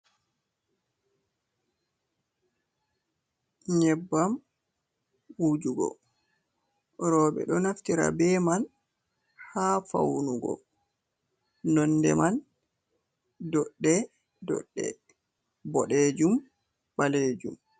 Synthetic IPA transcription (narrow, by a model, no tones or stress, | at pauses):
ɲɛbːam | wud͡ʒuɡɔ̰ | ɾɔːɓɛ̰ɗɔnaftiɾa̰bɛman | haːfa̰wnuɡɔ̰ | nɔnːdɛ̰man | dɔɗːɛ | dɔ̰ɗːɛ̰ | bɔɗɛd͡ʒum | baled͡ʒṵm